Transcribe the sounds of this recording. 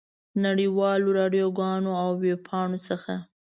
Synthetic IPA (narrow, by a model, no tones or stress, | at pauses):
naɽiwɑloɾɑɖjoɡɑnoawːeb̚pʰɑɳot͡səxa